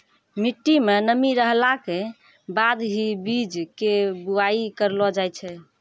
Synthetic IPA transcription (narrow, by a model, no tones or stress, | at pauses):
miʈːimenəmiɾəɦlake | bad̪ɦibid͡ʒkebuaikəɾlɔd͡ʒajt͡ʃʰɛ